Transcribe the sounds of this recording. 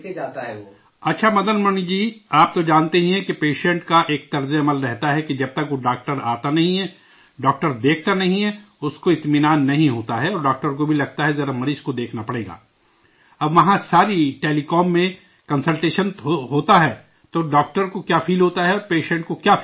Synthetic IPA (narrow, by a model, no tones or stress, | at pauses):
ked͡ʒaːt̪aɦɛo | ɐtːʃʰamɐd̪ənmɐnid͡ʒiːaːp̚t̪od͡ʒãːnt̪eɦĩɦɛ̃kepeːʃɛ̃ɳʈkaʔeːk̚t̪ɐɾzeɐməlɾɛɦt̪aɦɛked͡ʒɐb̚t̪ɐkʋoɖaːk̚ʈəɾaːt̪anɐɦĩɦɛː | ɖɔːk̚ʈəɾd̪eːkʰt̪anɐɦĩɦɛ | ʊskoɪt̪mɪnaːnːɐɦĩɦoːt̪aɦɛɔːɾɖaːkʈəɾk̬obʱilɐɡ̚t̪aɦɛzɐɾamɐɾiːʃkod̪eːkʰnapɐɽeːɡa̰ː | ɐbʋɐɦãsaːɾiʈeːlikɔːmːẽ | kɐ̃nsəlʈeːʃənɦoːt̪aɦɛː | t̪oːɖaːk̚ʈəɾkokjaːfʰiːlɦoːt̪aɦɛɔːɾpeːʃɛ̃ɳʈ̚kokjaːf